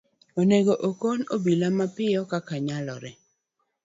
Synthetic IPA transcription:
oneɡoʔokonobilamapɪjɔkakaɲalɔɾɪ

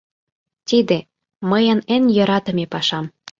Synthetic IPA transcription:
t̪id̪e | məjə̆nenjɤ̆ɾɑt̪ə̆mepɑʃɑm

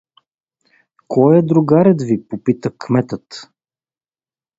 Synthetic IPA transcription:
kʰɔjɛd̪ɾʊɡaɾɛt̪vipopit̪əkmɛt̪ət̪

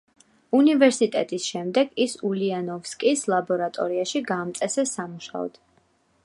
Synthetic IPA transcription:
univɛɾsit̪ʼɛt̪ʼisʃɛmd̪ɛɡisulianɔfskʼislˠabɔɾat̪ʼɔɾiaʃiɡaːmt̪sʼɛsɛsːamuʃa̰ɔ̰d̪̥

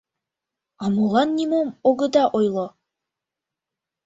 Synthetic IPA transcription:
ɑmolˠɑnːʲimomoɡɤ̆d̪ɑʔojlˠɤ

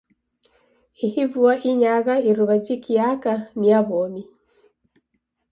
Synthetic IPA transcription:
ihivuaʔiɲaɣaiɾuβad͡ʒikiakaniaβomi

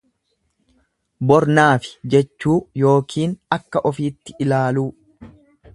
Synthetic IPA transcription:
bɔɾnaːfɪ̥d͡ʒɛt͡ʃːuːjo̞ːkʰiːnɐkːɐʔɔfiːt̪ːɪʔɪlaːluː

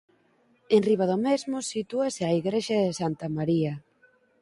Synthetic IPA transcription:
enriβ̞aðomezmʊsit̪uasɪaiɣɾeʃɐðɪsant̪amaɾiɐ

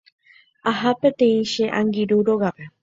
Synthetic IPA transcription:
ahape̞t̪ẽĩʃeʔãŋɡiɾuɾoɣape

